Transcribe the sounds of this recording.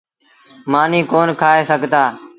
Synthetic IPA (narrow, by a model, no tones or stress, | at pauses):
maːnĩːkoːnkʰaːɦeːsəɡʱt̪aː